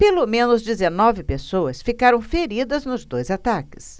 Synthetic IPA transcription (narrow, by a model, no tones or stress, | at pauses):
pelomẽnʊzd͡ʒɪzenɔvɪpesowɐsfikaɾɐ̃w̃feɾid̪ɐznʊzd̪ojzat̪akɪ̥s